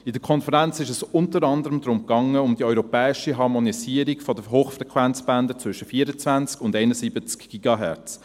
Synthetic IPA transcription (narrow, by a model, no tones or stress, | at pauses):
ɪdəkʰɔnfəɾænt͡sɪʃəsʊntəɾɑnd̪əɾəmd̪ɾʊmkɑŋːəʊmd̪iœʏɾɔpɛːɪʃiɦɑɾmɔnisiːəɾikfɔd̪əɦoːχfrɛkʰwænt͡sbænd̪ət͡sʋvʏʃəfiːəɾət͡sʋænt͡skʊndɛɪnəsibət͡skɡ̥iɡ̥ɑɦɛ̰ɾt͡s